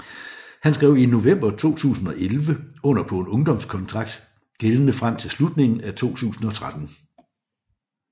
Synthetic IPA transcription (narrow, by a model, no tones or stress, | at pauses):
hænsɡ̥ʁɛʊ̰ino̝ʋem̰b̥ɐt͡sʰo̝̰ːt͡sʰṵːsn̩ɒ̽ʔelʋəɔ̽n̰ɐpʰɔ̽enɔ̽ŋd̥ɒ̽m̰skʰɒ̽nt͡sʰʁɑ̈ɡ̥̚d̥ | ɡ̥elənəfʁam̰t͡sʰe̝lslud̥ne̝ŋn̩æt͡sʰo̝̰ːt͡sʰṵːsn̩ɒ̽t͡sʰʁad̥n̩